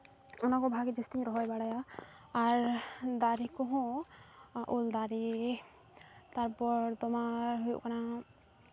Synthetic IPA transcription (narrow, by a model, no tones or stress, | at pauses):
ɔnakɔbʱaɡid͡ʒist̪iɲɾɔɦɔjbaɽajaː | ɾd̪aɾikɔɦɔ̃ | ʔold̪aɾi | t̪aɾpɔɾt̪ɔmaɾɦujṵʔkana